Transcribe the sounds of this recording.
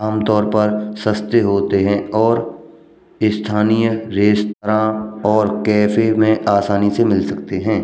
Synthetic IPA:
aːmt̪ɔːɾpɐɾsəst̪jəɦoːt̪eɦɛ̃ɔːɾ | ɪst̪ʰaːnijɾeːst̪əɾãɔːɾkɛːfemẽʔaːsaːnisemɪlsɐkt̪eɦɛ̃ː

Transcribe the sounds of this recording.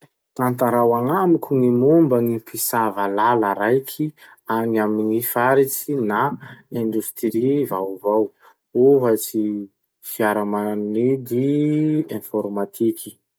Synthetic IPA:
t̪ant̪aɾawaŋamikʲuŋimumbəŋipisavalalaɾajkʰi | aŋaminifaɾit͡sinaẽnd̪ust̪ɾivawvaw | oɦat͡si | fiaɾamanid̪iɛ̃fɔɾmat̪ʰikʰi̥

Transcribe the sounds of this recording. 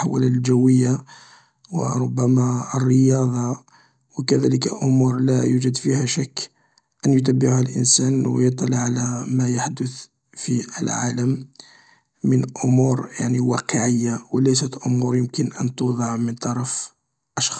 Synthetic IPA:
ħawæ̰lilʒæwːəjːa | wə̰ɾˤʊbːæmæərːəjɑd̪ˤɑ | wəkæd̪æləkəlʔʊmuɾlæjud͡ʒəd̪fihæʃækː | ʔənjʊt̪̬æbːɪʕhælʔə̰nsænwjət̪ˤːɑlʕːalæmæjaħd̪ʊθ | fiʔəlʕa̰ləmː | ənʔʊmuɾjaʕniwɑ̰qəʕəjːawəlæjsət̪ʔʊmuɾjəmkənʔənt̪ud̪ˤɑʕmənt̪ˤɑɾˤɑf | ʔɑʃxɑ̥

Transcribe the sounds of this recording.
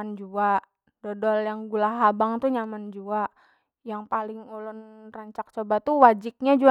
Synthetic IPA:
and͡ʒua | dɔdɔljaŋɡulaɦabaŋt̪uɲamand͡ʒuaʔ | jaŋpalɪŋulɔnraɲt͡ʃak̚t͡ʃobat̪uwad͡ʒɪk̚ɲad͡ʒu

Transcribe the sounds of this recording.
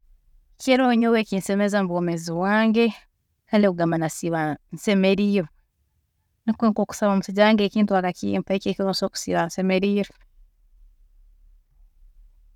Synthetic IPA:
ceɾoɲoweːkinsemezamuβomeziβwaːŋɡe̞ | kaːndekuɡamanasiβanse̞meɾiːɾo | nikeŋkoːku̥saβaːmusiɟaaːŋɡeːkiːntwaːɾakḭmfaekeːkiβaso̞ːku̥sḭβansemeɾiːɾo

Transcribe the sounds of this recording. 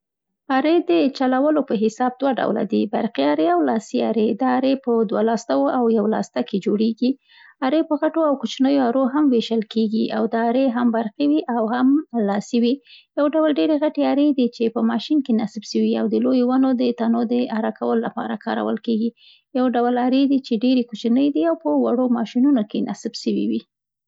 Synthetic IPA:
ɑɾed̪ət͡ʃalawəlopəɦɪsɑb̚d̪waɖa̰wla̰d̪iba̰ɾqiɑɾeawlɑsiɑ̰ɾed̪ɑːɾepəd̪walɑst̪awoʔawjawlɑ̰st̪aked͡ʒoɽeɡi | aɾepəɣaʈoawkʊt͡ʃnəjoaɾoɦamweʃəlkeɡiʔawd̪ɑːɾeɦambaɾqiwiʔawhamlɑsiwijawɖawəlɖeɾeɣaʈeaɾed̪it͡ʃepəmɑʃinkenasbʃəwiawd̪əlojowanod̪ət̪anod̪əaɾakʰawəlola̰pɑ̰ɾakʰɑ̰ɾa̰wə̰lkeɡi | jawɖawəlaɾed̪it͡ʃeɖeɾekot͡ʃnəjd̪iawpəwaɽomɑʃinunokenʔa̰sbʃəwḭwi

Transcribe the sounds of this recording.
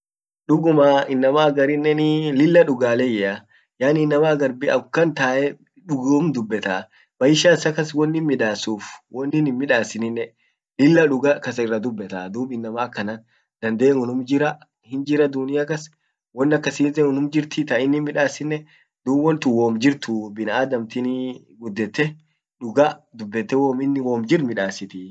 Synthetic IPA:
ᶑʊɡʊmaːɪnːɐmaːɡɐɾɪnːɛnɪlɪlːɐᶑʊɡaːlɛjɛa | jaːnɪːnːɐmaːɡɐɾbɪɐ̰kːɐnt̪aːʔɛ | ᶑʊɡoːmd̪ʊbːɛt̪aː | bɐjɪʃaːɪsɐkɐswɔnːɪnmɪᶑaːsuːfwʔɔnːɪnɪmmɪᶑaːsɪnɪnːɛ | lɪlːɐᶑʊɡakɐsɐɪrːɐd̪ʊbːɛt̪a̰ːd̪uːbɪnːɐmaːkːɐnan | d̪̥ɐnd̪ɐʔnɔnʊmd͡ʒɪɾɐ | hɪnd͡ʒɪɾɐd̪ʊnɪjakɐs | wɔnːɐkːɐsiːzɛŋɔnʊmd͡ʒɪɾt̪ɪt̪ɐɪnːɪmɪᶑaːsɪnːɛ | d̪uːbwɔnt̪ʊwoːmd͡ʒɪɾt̪ubɪnʔaːd̪ɐmt̪ɪni | ɡʊd̪ːɛt̪ːɛ | ᶑʊɡad̪ʊbːɛt̪ːɛwoːmɪnːɪwoːmd͡ʒɪɾmɪᶑaːsɪt̪ɪ

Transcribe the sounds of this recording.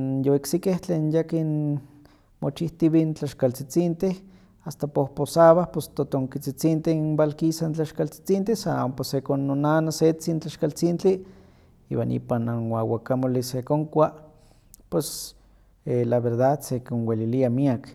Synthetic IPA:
njoiksikeht͡ɬeːnjakin | mot͡ʃiht̪iβint͡ɬaʃkalt͡sit͡sint̪eh | ast̪apohposaβahpost̪ot̪oŋkit͡sit͡sint̪ehimbalkisant͡ɬaʃkalt͡si̥t͡sint̪ehsamposekonːonanaset͡sint͡ɬaʃkalt͡sint͡ɬi | ḭwa̰nʔḭpananwawakamolisekoŋkʷa | pwes | elaβeɾd̪ad̪sekinweliliamiak

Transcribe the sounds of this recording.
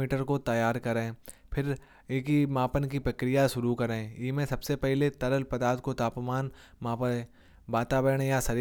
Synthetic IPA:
iːʈəɾkot̪ɐjaːɾkɐɾẽːpʰɪɾ | eːkimaːpənkipɾɐkɾijaʃʊɾukɐɾẽːiːmẽsɐbsepɛɦlet̪ɐɾəlpɐd̪aːt̪kot̪aːpmaːn | maːpəɾẽː | baːt̪aːbəɾəɽ̃jasɐɾ

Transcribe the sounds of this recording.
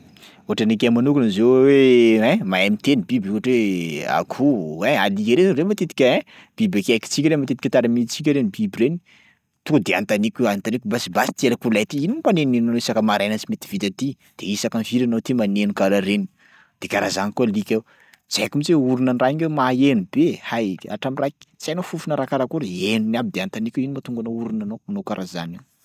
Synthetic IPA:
uɦaʈ͡ʂənik̬emanukunzeweɛ̃maemit̪enibibuɦaʈ͡ʂwea̰kʰuealikeɾeɾemat̪et̪i̥kʲəẽ | b̥ibakaki̥t͡sik̬ʲɾemat̪et̪ikʲət̪aɾamit͡sik̬ʲəɾenibibireni̥ | t̪ud̪ea̰nt̪anikʲant̪anikʲubasibasi̥t̪ielakulajt̪iininipanenenanoisakəmaɾajnəsimet̪i̥v̥it̪at̪i | d̪̥eisakanviɾanot̪imanenukaɾaɾeni̥ | d̪̥ekaɾazanikualikʲe | zakumzeuɾunanraiŋemaenubehaja̰ʈ͡ʂamirakt͡sanofufunəɾakaɾakuɾienunab̚id̪eant̪anikʲeinimat̪uŋɡanouɾunanoanokaɾaza̰niw

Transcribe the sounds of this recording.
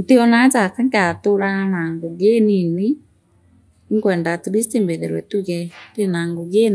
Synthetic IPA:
nteɔnat͡ʃakaŋkatoɾanaŋɡoɣenine | ŋkwɛːndatuβistembeɾeɾwɛtuɣɛtenaŋɡoɣen

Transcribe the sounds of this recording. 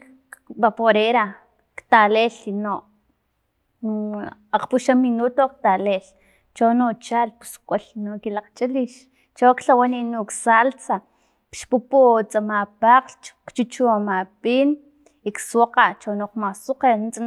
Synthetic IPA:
bapoɾeɾa | kt̪aleːlinoʔ | aq͡χpuʃaminut̪ok̚t̪aleːl | t͡ʃonot͡ʃaːlpu̥su̥kʼolinokilaq͡χt͡ʃʼaliʃ | t͡ʃokɬawaninuksalt͡sa | pʃpuput͡sʼamapaːqlt͡ʃkt͡ʃut͡ʃuamaɓiːn | ikswaqaʔt͡ʃonoqmasuqent͡sʼa

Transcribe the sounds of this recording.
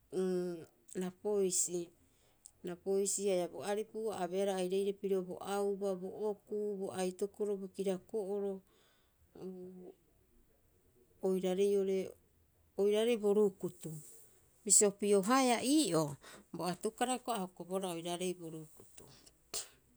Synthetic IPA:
napojsi | napojsiajaboaɾipuabeaɾaːjɾejɾepiɾobo̞̰ʔawbaboʔokubo̰ʔajtokoɾobokiɾakoʔoɾo̞ | ojɾaɾe̞jo̞ɾe̞ | ojɾaɾe̞jbo̞ɾukut̪u | misiopioɦaeaʔiːʔo̞bo̞atukaɾakoahokoboɾaojɾaɾe̞jboɾukut̪u

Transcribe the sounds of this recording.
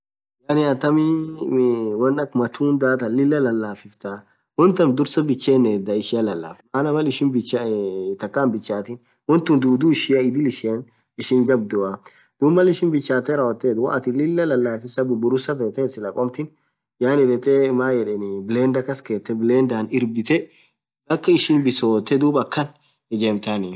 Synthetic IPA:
jaːnɪat̪ːɐmɪ | wɐnːɐkmɐt̪ʰuːnd̪aːt̪ɐlɪlːɐlɐlːaːfɪft̪a | wɔnt̪ɐmd̪ʊɾsɐbɪt͡ʃːeːnːeːd̪ɐɪʃɪjɐlɐlːa̰ːfmaːnɐmɐlɪʃɪnbɪt͡ʃːat̪ɐkːaːmbɪt͡ʃːaːt̪ɪn | wɔnt̪ʊnd̪uːd̪uːɪʃɪjɐɪd̪ɪlɪʃen | ɪʃɪŋɡɐb̚d̪ʊɐ | d̪̥ubmːɐlɪʃɪnbɪt͡ʃːaːt̪ɛɾɐɔt̪ːeːd̪wɐ̰ʔɐt̪ɪlɪlːɐlɐlːaːfɪsɐbʊbʊɾʊsɐfeːt̪ɛsɪlɐkʼɔmt̪ɪn | jaːnɪdɛt̪emaːjɛᶑɛnbɪleːnd̪ɐkɐskeːt̪ːɛbɪleːnd̪aːnɪɾbɪt̪ɛ | bɐkːɐɪʃɪnbɪsoːt̪ːɛd̪uːbɐkːɐn | ɛɡeːmt̪ani

